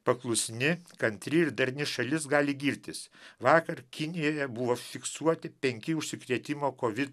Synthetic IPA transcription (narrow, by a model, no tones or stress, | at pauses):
pɐklˠʊsʲnʲɪkɐnʲt̪ʲɾʲɪɪɾd̪ɐɾʲnʲɪʃɐlʲɪsɡɑːlʲɪɡʲiːɾʲt̪ʲɪsʋɑːkɐɾkʲɪnʲɪjoːjɛbʊʋoːfʲɪksuɔt̪ʲɪpʲɛŋʲkʲɪʊʃʲsʲɪkɾʲiɛt̪ʲɪmoːkoːʋʲɪt̪